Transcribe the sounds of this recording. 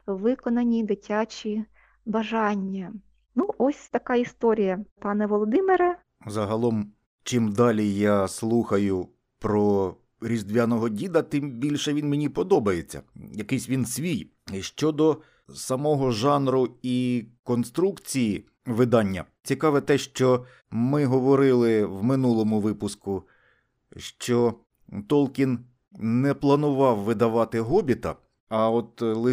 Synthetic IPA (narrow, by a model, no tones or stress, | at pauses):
ʋɪkɔnɐnʲid̪ɪtʲat͡ʃʲi | bɐʒɑnʲːɐ | nuʔɔsʲt̪ɐkɑist̪ɔɾʲijɐpɑnɛʋɔlˠɔd̪ɪmɪɾɐ | zɐɦɐlˠɔm | t͡ʃɪmd̪ɑlʲijɑslˠuxɐjʊ | pɾɔ | ɾʲizd̪ʋʲjanɔɦɔdʲid̪ɐt̪ɪmbʲilʲʃɛʋʲinmenʲipɔd̪ɔbɐjet͡sʲːɐ̰jɐkɪjsʲʋʲinsʲʋʲij | ʃt͡ʃɔd̪ɔ | sɐmɔɦɔʒɑnɾʊikɔnst̪ɾukt͡sʲiji | ʋɪd̪ɑnʲːɐ̰ | t͡sʲikɑʋɛt̪ɛʃt͡ʃɔ | mɪɦɔʋɔɾɪlˠɪwmɪnulˠɔmʊʋɪpʊskʊ | ʃt͡ʃɔ | t̪ɔlˠkʲin | nɛplˠɐnʊʋɑwʋɪd̪ɐʋɑt̪ɪɦɔbʲit̪ɐ̰ | ɐɔt̪lˠɪ